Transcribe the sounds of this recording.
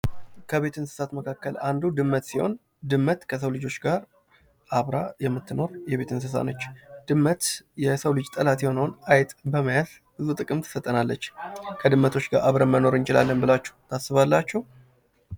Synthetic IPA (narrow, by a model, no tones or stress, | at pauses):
kʰəβe̞t̪ʰɨnsɨ̥sat̪məkʰakːəlʔand̪ud̪ɨmːət̪siho̞̰n | d̪ɨmːət̪kʰəs̬əwlɨd͡ʒo̞t͡ʃːɡaɾ | ʔaβɾajɛmːɨt̪ːɨno̞ɾjɛβe̞t̪ʰɨns̬ɨsa̰nət͡ʃːd̪̥ɨmːət̪jɛsəwlɨd͡ʒt̪ʼəlat̪jɛho̞nəwnajt̪ʼbəməjaz | ɨzut̪ʼɨkʼɨmt̪ʰɨ̥sət̪ʼːənalːət͡ʃːkʰəd̪ɨmːət̪ʰo̞t͡ʃːɡaɾʔaβɾəmːəno̞ɾɨnt͡ʃɪla̰lːənbɨlat͡ʃːɛ̥wt̪ʰasːɨβalːat͡ʃːɛh